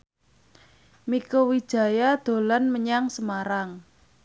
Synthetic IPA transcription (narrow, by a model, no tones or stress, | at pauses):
mikowi̥ʒ̥ä̤jad̪̥o̤lanməɲaŋsəmaɾaŋ